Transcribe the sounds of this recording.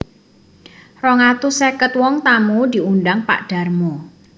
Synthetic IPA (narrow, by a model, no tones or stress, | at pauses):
rɔŋat̪usekət̪̚wɔŋt̪amud̪̥i̤unɖaŋpa̰ʔɖ̥a̤rmu